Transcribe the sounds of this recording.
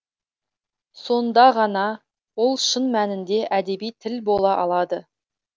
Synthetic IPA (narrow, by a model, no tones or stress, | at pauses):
so̞nd̪ɑʁɑnɑ | wo̞lˠʃənmænɪnd̪e̞ʔæd̪e̞bijt̪ʰɪlbo̞lˠɑʔɑlˠɑd̪ə